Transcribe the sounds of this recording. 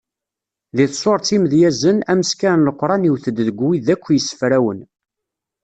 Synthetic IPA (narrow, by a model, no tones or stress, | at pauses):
ðiθsoɾˤt͡s̪iməðjæzənæməskænləqʷːɾˤɑniwθəd̪ðəɡʷwiðækʷːjəsːə̥fɾæwən